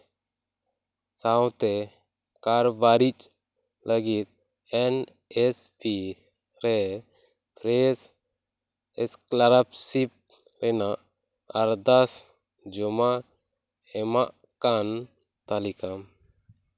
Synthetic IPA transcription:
sawt̪ɛ | kaɾbaɾit͡ʃʼ | ləɡit̪̚ | ɛn | ɛspi | ɾɛ | pʰɾɛs | ɛsklaɾapsip̚ | ɾɛnaʔ | aɾd̪as | d͡ʒɔma | ɛmaʔ | kan | t̪alikam

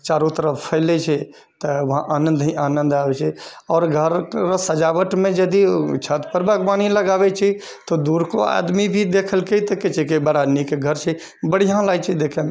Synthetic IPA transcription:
t͡ʃaːɾot̪əɾəfpʰəɪlet͡ʃʰɛ | t̪əʋɐɦãʔaːnə̃nd̪iaːnə̃nd̪aːʋet͡ʃʰeɔːɾɡʱəɾɾsəd͡ʒaːʋəʈmẽd͡ʒəd̪it͡ʃʰət̪pəɾbʱəɡʋaːniləɡaːʋet͡ʃʰi | t̪od̪uːɾkoa̰ːd̪mibʱid̪eːkʰəlkeit̪əket͡ʃʰekebəɽanikɡʱəɾt͡ʃʰe | bəɽ̤ijãlaːit͡ʃʰid̪eːkʰeme

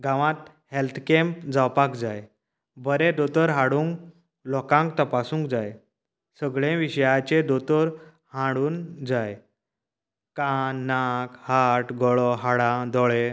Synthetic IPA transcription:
ɡãʋãt̪ | helt̪ʰkɛ̃mpd͡zawpakd͡zaj | bʱəɾed̪ot̪əɾɦaɽũːŋk | lɔkãŋkt̪əpasũŋkd͡zaj | səɡɭẽʋiɕəjat͡ɕed̪ot̪əɾ | hãɽuːnd͡zaj | kanːakhaʈɡɔɭɔɦaɽãd̪ɔɭe

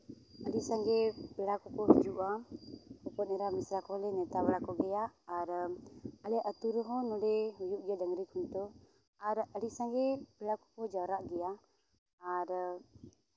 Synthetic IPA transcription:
aɾisaŋɡebəlakukɔhd͡ʒuʔakupɔneɾamisɾakolenet̪abəlakoɡeaʔaɾəaleʔat̪uɾəɦonuleujuʔɡadaŋɾikunt̪o | aɾaɾisaŋɡebəlaku̥kod͡ʒaɾaʔɡia | aɾə

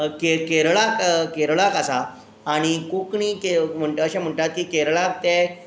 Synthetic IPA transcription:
kekeɾɭakkeɾɭakasaː | ɽ̃ikokɳikem̤əɳʈəəɕam̤əɳʈat̪̚kiːkeɾɭak̚t̪ɛ

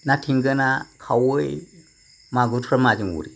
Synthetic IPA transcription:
nãtʰiŋɡənakʰawəi | mãɡutʰuɾamãd͡ʒiŋwṵɾi

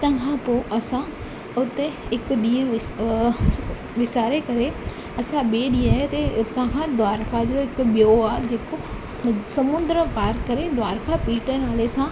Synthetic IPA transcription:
t̪ɐ̃kʰãpoːʔɐsã | ʊt̪eɦɪkʊɗĩːə̃ | ʋɪsaːɾekɐɾe | ɐsãɓeːɗĩːaːɦet̪et̪ãkʰãd̪ʋaːɾkad͡ʑoɪkʊɓɪjoaːɦed͡ʑeːko | sɐmʊ̃nd̪ɾəpaːɾkɐɾed̪ʋaːɾkʰapiːʈənaːlesã

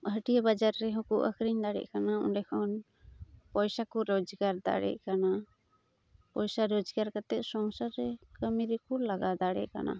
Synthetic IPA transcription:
ɦəʈijabad͡ʒaɾːɛɦɔ̃kɔ̰ʔə̰kɾiɲd̪aɽɛ̰ʔkanaɔnɖɛkʰɔn | pɔjsakɔɾɔd͡ʒɡaɾd̪a̰ɽɛ̰ʔkana | pɔjsaɾɔd͡ʒɡaɾkat̪ɛʔ̪̚sɔŋsaɾɛkəmiɾikuɾlaɡad̪aɽɛ̰ʔka̰na̰

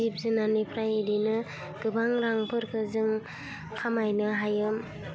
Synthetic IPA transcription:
ip̚zɯnanipʰɾajidinɯ | ɡ̥ɯbaŋɾaŋpʰɯɾkʰɯzɯŋ | kʰamajnɯɦajɯm

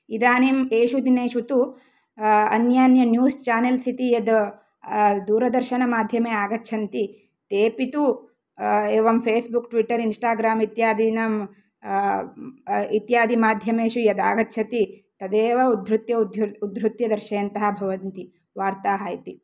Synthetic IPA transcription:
id̪aːnimeːʃud̪ineːʃut̪u | ɐ̰njaːnjɐnjuːst͡ʃaːnelsit̪ijɐd̪ | d̪uːɾɐd̪ɐɾʃɐnɐmaːd̪ʱjɐmeːaːɡɐtːʃʰɐnt̪i | t̪eːpit̪u | eːʋɐmpʰeːsbukʈʋiʈːɐɾinsʈaːɡɾaːmit̪jaːd̪inɐm | it̪jaːd̪imaːd̪ʱjɐmeːʃujɐd̪a̰ːɡɐtːʃʰɐt̪it̪ɐd̪eːʋɐud̪ʱɾut̪jɐd̪ud̪ɾut̪jɐd̪ɐɾʃɐːɐnt̪ɐɦɐbʱɐʋɐnt̪i | ʋaːɾt̪aːɦaːjt̪i

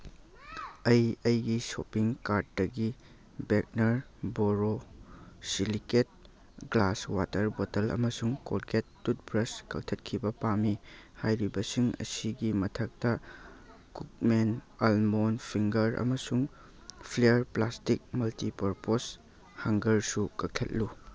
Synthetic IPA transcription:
ɐjɐjɡisopiŋkaɾt̚ːɐɡi | bek̚nɐɾboɾo | siliket̚ | ɡlaswatɐɾbotɐlɐ̰mɐsuŋko̰lketːut̚bɾɐskʰɐk̚tʰɐt̚kʰibɐpamihajɾibɐsiŋɐ̰siɡimɐtʰɐk̚tɐ | kuk̚menɐlmonpʰiŋɡɐɾɐ̰mɐsuŋ | pʰlejɐɾplastik̚mɐltipɐɾpos | haŋɡɐɾsukɐk̚kʰet̚lu

